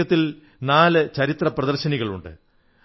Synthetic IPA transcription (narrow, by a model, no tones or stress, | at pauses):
ɐt̪ːil | naːlɨt͡ɕɐɾit̪rɐprɐðɐrɕɐniɣɐɭuɳɖɨ̰